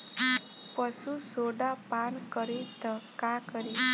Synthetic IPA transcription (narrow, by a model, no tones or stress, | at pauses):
pəsusoɽapankəɾet̪əkakəɾi